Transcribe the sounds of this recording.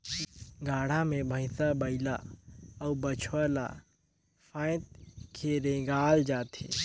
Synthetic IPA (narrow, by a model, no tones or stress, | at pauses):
ɡaːɽ̤amẽbʱə̃ɪ̃sabəɪla̰ɔbət͡ʃʰəla̰ | fʰãːɪt̪̚kʰeɾẽɡaːld͡ʒaːt̪ʰḛː